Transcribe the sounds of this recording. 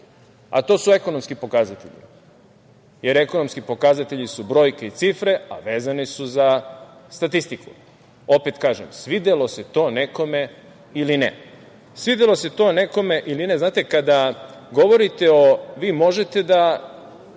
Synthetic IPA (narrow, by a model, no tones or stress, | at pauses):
a̰t̪o̞ːsue̞ko̞nomskipo̞kazat̪ḛʎḭ | je̞ɾe̞kono̞mskipo̞kazat̪e̞ʎisubɾo̞ːjkeit̪sifɾe̞a̰ʋe̞ːzanisuzast̪at̪ist̪iku̥ | o̞pet̪kaːʒḛmsʋid̪elo̞se̞t̪o̞ːne̞ko̞me̞ | ilinḛ | sʋid̪elo̞se̞t̪o̞ːne̞ko̞me̞ʔiline̞znaːt̪e̞kad̪aɡo̞ʋo̞ɾit̪e̞oʋiːmo̞ʒe̞t̪e̞d̪a